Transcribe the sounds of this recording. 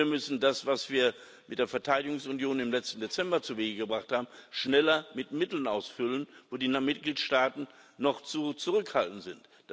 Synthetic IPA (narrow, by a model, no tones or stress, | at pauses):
ɐmʏsn̩dasv̥asv̥iːɐ | mɪt̚d̥eːɐfɛɐtʰaɪdɪɡʊŋsʊnjoːnɪmlɛt͡stn̩det͡sɛmbɐt͡suveːɡəɡəbʁaχthaːbm̩ʃnɛlɐmɪtmɪtl̩nʔaʊsfʏlənvoːdiːnamɪt̚ɡ̥liːtʃtaːtn̩nɔχt͡sut͡suʁʏkhaltn̩zɪnt | d̥